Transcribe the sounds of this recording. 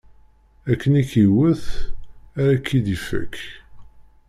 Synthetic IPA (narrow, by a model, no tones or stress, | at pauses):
ækːənikːiwəθ | æɾakːid̪ifæ̰k